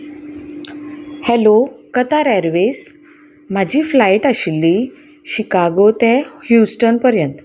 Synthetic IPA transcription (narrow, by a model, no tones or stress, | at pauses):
hɛlokət̪aɾɛɾʋes | m̤ad͡ʑʱiːflaiʈaɕilːi | ɕikaɡot̪ɛhjusʈənpəɾjənt̪